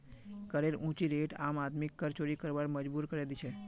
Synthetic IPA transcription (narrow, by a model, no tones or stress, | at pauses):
kəɾeɾũt͡ʃiɾeʈamat̪mikːəɾt͡ʃoɾikəɾʋaɽməd͡ʒbuɾkəɾelit͡ʃʰe